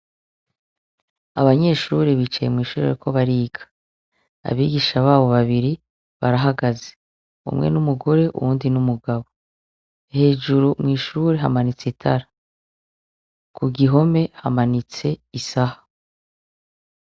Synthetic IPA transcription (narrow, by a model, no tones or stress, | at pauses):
aβaɲe̞ːʃuɾeβit͡ʃajemŋiːʃuːɾeɾikʰo̞βaɾiːɡḁ | a̰βiːɡiʃaβaːβo̞βaβiɾi | βa̰ɾaɦaɡaze̥ | ṵmŋe̞̰numuɡo̞ɾe̞ʔṵwuːndinumuɡaβo̞ | he̞ːʒuɾumŋiːʃuːɾe̞ɦamanit͡sitʰaɾa | kʰuɡiɦo̞me̞hamanit͡se̞isaha